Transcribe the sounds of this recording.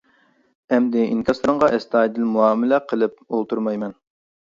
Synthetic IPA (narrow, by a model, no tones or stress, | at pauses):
ɛmd̪ɪʔḭŋkʲʰɑsɨɾɨɴʁɑʔɛst̪ɑːjd̪ɪlmuɑːmɪlɛqʰəlˠɨp̚olˠt̪ʰuɾmɑjmɛn